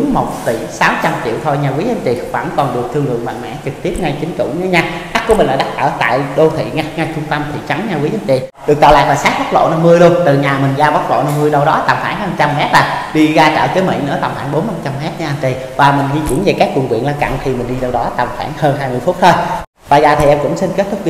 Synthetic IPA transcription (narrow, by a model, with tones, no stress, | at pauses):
ŋmo˨˩t̚t̪i˧˩saː˨˦wt͡ɕa˧mt͡ɕḭ˧˨əwt̪ʰo˧jɲaː˧˩kwi˨˦ʔa˧nt͡ɕi˨˩va̰˧˩ŋkɔ˨˩nɗɨ˨˩ək̚t̪ʰɨ˧əŋlɨ̰˨əŋma̰˧˨jŋ̚ma̰ː˧˥t͡ɕɨ˨˩k̚t̪i˦˥əp̚ŋa˧jt͡ɕï˨˦ŋ̟kɨ̰˧˩wɲ˧˨˦ɲa˧ɓa˦˥ku˧˩əmi˨˩ŋ̟ʔaː˧˩ɗa˦˥t̚ʔəː˧˩t̪a̰ː˧˨jɗo˧t̪ʰḭ˧˨ŋa˧˩jŋa˧jt͡ɕʰʊ˧ŋ͡mt̪ə˧mt̪ʰḭ˨˩t͡ɕa˨˦ŋɲa˧wi˨˦ə˧˨˦nt͡ɕḭ˨˩ɗɨ˨˩ək̚t̪aː˧˨˩la̰ː˨˩k̚laː˨˩saː˦˥k̚ɓt̚lo̰˧˨na˧mːɨ˧əjɗu˧əŋt̪ɨ˨˩ɲaː˨˩mï˨˩ŋ̟zaː˧ɓa˦˥t̚lo̰˧˨na˧mːɨ˧əjɗə˧wɗɔ˨˦t̪a̰˨˩mxwaː˧˩nhaː˧˩˨t͡ɕa˧mmɛ˦˥t̚laː˨˩ɗi˧ɣaː˧t͡ɕə̰ː˧˨kə˨˦mḭ˧˥nɨ̰˧˥ət̪a˨˩mxwaː˧˩nɓo˨˦nna˧˩t͡ɕa˧mmɛ˦˥t̚ɲaː˧ʔa˧nt͡ɕi˧˩ | vaː˨˩mï˨˩ŋ̟ɣi˧t͡ɕḭ˧˥ənve˨˩kaː˦˥k̚wu˨˩ŋkwḭ˧˨ənlaː˧ŋka̰˧˨nk̪ʰi˨˩mï˨˩ŋ̟ɗi˧ɗə˧wɗɔ˨˦t̪a˨˩mxwa̰ː˧˩nhəː˧nɦaː˧jmɨ˨˩əjfʊ˦˥t̚t̪ʰo˧j | vaː˨˩zaː˨˩t̪ʰi˨˩ʔɛ˧mkʊ̰˧˥ŋ͡msi˧nke˦˥t̚t̪ʰʊ˦˥k͡p̚